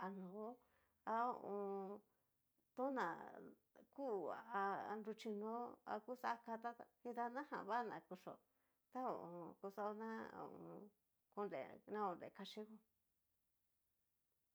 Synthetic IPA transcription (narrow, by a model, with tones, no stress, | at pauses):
a˧nõ˨˦ | a˧o˧ʔõ˧ | t̪õ˦nã˨ | ku˦˨a˨a˧nɾu˧t͡ʃi˧nõ˦a̰˧ku˦sa˦ka˧t̪a˦˧hĩ˧t̪a˦˧nã˦hã̰˨βa˦˨nã˨ku˧ʂo˨ | t̪a˦o̰˧˨ʔõ˧˨˧ku˧sa˧o˧nã˦o̰˧˨ʔõ˧ | ku˧nlḛ˨nã˦o˧˨nɾḛ˨ka˧ʂi˦ku˧